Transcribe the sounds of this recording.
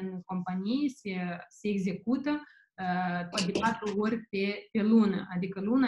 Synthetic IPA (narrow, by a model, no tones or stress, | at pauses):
ɨnko̞mpanijesese̞ːɡze̞kut̪ə | t̪at̪̚d̪ʲepat̪ɾuorʲpepe̞lunə̰ʔad̪ikəluna